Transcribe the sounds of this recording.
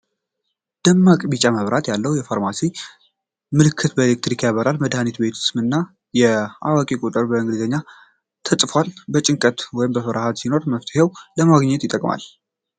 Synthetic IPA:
d̪̥əmːakʼbit͡ʃʼaməβɾat̪jalːəwjɛfaɾmasi | mɨlɨkʰːɨt̪bəelek̚t̪ɾikʰjaβəɾalməd̪hanit̪be̞t̪ʰu̥sɨmɨnːa | jɛawakʼikʼut̪ʼɨɾbəɨŋɡlizəɲːa | t̪ʰəsʼfalbət͡ʃʼɪŋkʼət̪wɔjɪmbəfəɾahat̪sino̞ɾməft̪ʰəhewləmaɡɲːɛt̪jɪt̪ʼːəkʼma̰l

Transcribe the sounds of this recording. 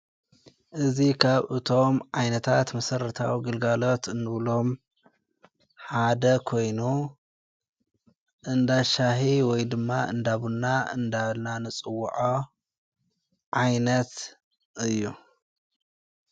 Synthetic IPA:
ʔɨzikʰaβʔɨt̪ʰo̞mʕajnɐt̪ʰat̪mɐsɐɾɐt̪ʰa̰wiɡɨlɡalo̞t̪ɨnːɨβlo̞m | ħad̪ɐkʰo̞jnu | ʔɨnd̪aʃaɦiwɔjd̪ɨmːaɨ̰nd̪aβunːaɨ̰nd̪aβlnanɨt͡sʼɨwːṵʕo | ʕajnɐt̪ | ʔɨjːu

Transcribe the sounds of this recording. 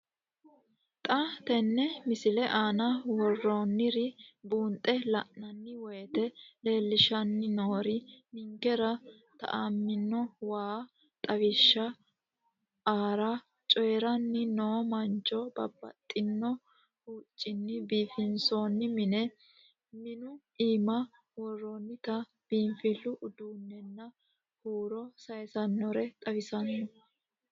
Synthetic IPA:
t̪ʼɐt̪ɛnːɛmɪsɪlɛʔaːnɐwɔrːoːnːɪɾɪbuːnt̪ʼɛlɐʔnɐnːɪwɔjt̪ɛle̞ːlːɪʃɐnːɪnoːɾɪnɪŋkɛɾɐ | t̪ɐ̰ʔamːɪnːɔwaː | t̪ʼɐɡɪʃːɐ | aːɾɐ | t͡ʃʼɔjɛɾɐnːɪnoːmɐnt͡ʃːɔbɐ̰bːɐ̰t̪ʼːɪnːɔ | huːt͡ʃʼːɪnːɪbiːfɪnsoːnːɪmɪnɛ | mɪnʊ | iːmɐ | wɔrːonːɪt̪ɐ | b̥iːnfɪlːʊʔʊd̪uːnːɛnːɐ | huːɾɔsɐjsɐnːɔɾɛt̪ʼɐbɪsɐnːɔ

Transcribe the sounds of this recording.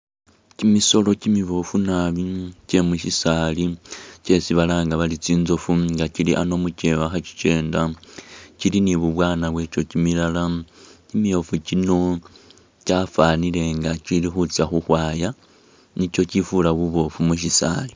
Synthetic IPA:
cimiso̞lo̞cimiβo̞funaβice̞muʃisaːlice̞siβalaːŋɡaβalit͡siːnzo̞fuŋɡaciliʔano̞muce̞waxaci̥t͡ʃe̞ːnda | ciliniβuβwaːnaβwe̞t͡ʃo̞cimilalacimijo̞fucino̞ | cafaːnile̞ŋɡacilixut͡siaxuxwaːja | nico̞cifulaβuβo̞fumuʃisa̰li

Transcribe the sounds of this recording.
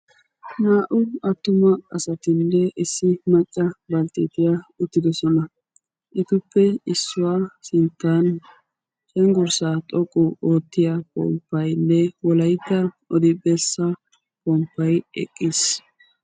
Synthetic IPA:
naːʔʊɐt̪ːʊmɐɐsɐt̪ɪnːɛʔɪsːɪmɐt͡ʃʼːɐbɐlt̪ɪt̪ɪjaʊt̪ːɪd̪ɔsɔnɐ | ʔɪt̪ʊpːɛɪsːʊwaːsɪnt̪ːan | t͡ʃɛŋɡɔɾsaːt̪ʼɔkʼːʊoːt̪ːɪjakʼɔ̰mpːɐjnːɛwɔlɐjt̪ːɐʔɔd̪ɪbɛsːɐ | kʼɔmpːɐjɛ̰kʼːɪs

